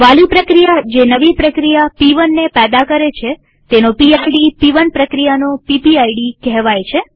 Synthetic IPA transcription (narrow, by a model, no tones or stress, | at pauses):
ʋalipɾəkɾijad͡ʒenəʋipɾəkɾijapiʋənːepɛd̪akəɾet͡ʃʰe | t̪enopiajɖipiʋənpɾəkɾijanopipiajɖikɛɦʋajt͡ʃʰe